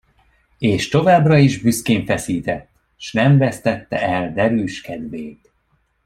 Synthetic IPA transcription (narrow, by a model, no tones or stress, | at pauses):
eːʃt̪o̞vaːbrɒiʒbyskeːɱfɛsiːt̪ɛt̪ː | ʃnɛɱvɛst̪ɛt̪ːɛ̰ɛld̪ɛɾyːʃkɛd̪veːt̪